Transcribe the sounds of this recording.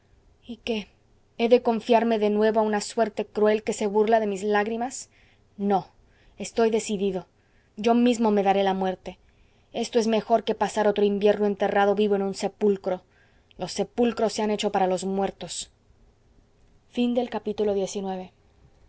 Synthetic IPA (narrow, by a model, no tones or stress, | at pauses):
ike | eðe̞ko̞ɱfjaɾme̞ðe̞nwe̞βoaunaswe̞ɾt̪e̞kɾue̞lke̞se̞βurlaðe̞mizlaɣɾimas | no̞ | e̞st̪o̞jðe̞siðiðo̞ | ɟ͡ʝo̞mizmo̞me̞ðaɾe̞lamwe̞ɾt̪e | e̞st̪o̞e̞zme̞xo̞ɾke̞pasaɾo̞t̪ɾoimbje̞ɾnoe̞nt̪e̞raðo̞βiβoe̞nũnse̞pulkɾo̞ | lo̞sːe̞pulkɾo̞sːeane̞t͡ʃo̞paɾalo̞zmwe̞ɾt̪o̞s | find̪e̞lkapit̪ulo̞ðjesinwe̞βe̞